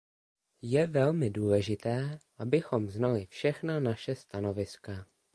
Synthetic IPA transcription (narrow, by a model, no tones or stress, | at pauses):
jɛvɛlmɪduːlɛʒɪt̪ɛːʔabɪxo̞mznalɪfʃɛxnanaʃɛst̪ano̞vɪska